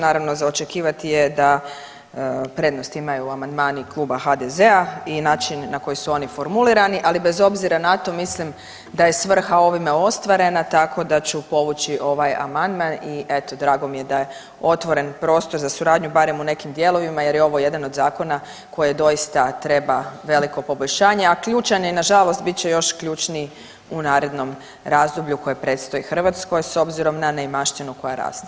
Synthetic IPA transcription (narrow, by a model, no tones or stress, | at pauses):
naːɾaʋno̞zaot͡ʃe̞kiːʋat̪ijed̪a | pɾed̪nost̪imajuamand̪maːniklˠuːbaxad̪ezeainaːt͡ʃinːako̞jisuo̞nifo̞ɾmulˠiɾaniʔalibe̞zo̞bziɾanat̪o̞mislim | d̪aje̞sʋr̩xao̞ʋimeo̞st̪ʋaɾe̞nat̪akʰo̞d̪at͡ɕupo̞ʋut͡ɕiʔo̞ʋaja̰mand̪maniʔe̞t̪o̞d̪ɾaːɡo̞mije̞d̪aje̞ | o̞t̪ʋo̞ɾe̞npɾo̞ːst̪o̞ɾzasuɾaːd̪ɲubaɾe̞mune̞kimd̪je̞lo̞ʋimaje̞ɾjeo̞ʋo̞je̞d̪ano̞d̪zaːko̞na | ko̞jed̪o̞jist̪at̪ɾe̞baʋe̞liko̞po̞bo̞ʎʲʃaːɲe̞akʎuːt͡ʃaɲoinaʒalo̞st̪̚bit̪t͡ɕe̞jo̞ʃkʎuːt͡ʃni | unaːɾe̞d̪no̞m | ɾaːzd̪obʎuko̞jepɾe̞ːt̪st̪o̞jixr̩ʋat̪sko̞jso̞bziɾo̞mnanejmaʃt̪inuko̞jaɾa̰ːst̪a